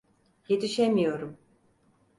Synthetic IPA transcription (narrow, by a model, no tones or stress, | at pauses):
je̞t̪ʰiʃemijo̞ɾum